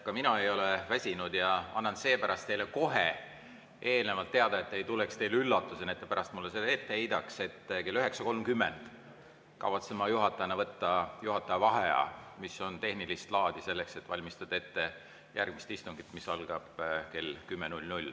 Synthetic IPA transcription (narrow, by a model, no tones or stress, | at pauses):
kɑminɑe̞jo̞levæsʲinud̪̥jɑɑnːɑnse̞ːpæɾɑst̪ejle̞ko̞ɦe | ʔe̞ːlne̞vɑlt̪ːeɑd̪̥ɑe̞t̪ːe̞jt̪ulekst̪e̞jlylːɑt̪ːˑusenet̪ːˑepæɾɑst̪mulːesed̪e̞t̪ːeejd̪ɑkse̞t̪ːke̞lːyɦe̞ksɑko̞lmkymːend̪̥ | kɑ̰vɑt̪semɑjuɦɑt̪ːˑɑjɑnɑvɤt̪ːɑjuɦɑt̪ːˑɑjɑvɑɦeɑ̰miso̞nt̪e̞hnilist̪lɑːd̪̥ise̞lːe̞kse̞t̪ːvɑlʲmist̪ɑd̪ɑe̞t̪ːe̞ | jærɡ̥mist̪ist̪uŋɡ̥it̪misɑlɡ̥ɑb̥ke̞lkymːenulʲnulʲ